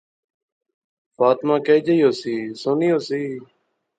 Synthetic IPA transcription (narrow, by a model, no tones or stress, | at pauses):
faːt̪mãːkeːd͡ʒəiːoːsiːsoːniːoːsiː